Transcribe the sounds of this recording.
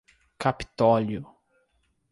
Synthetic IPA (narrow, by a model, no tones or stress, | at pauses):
kapi̥t̪ɔljʊ